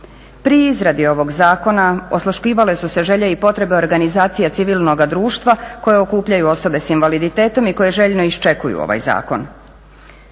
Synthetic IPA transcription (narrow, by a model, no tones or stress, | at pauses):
pɾiizɾad̪io̞ʋo̞ɡzaːko̞naoslaʃkiːʋale̞suse̞ʒe̞ʎeipo̞t̪ɾe̞be̞o̞ɾɡanizaːt̪sijat̪siʋilˠnoɡad̪ɾuːʃt̪ʋako̞je̞okuːpʎajuo̞so̞be̞sinʋalid̪it̪eːt̪o̞miko̞je̞ʒe̞ʎno̞ist͡ʃe̞kujṵo̰ʋa̰jza̰ːko̞̰n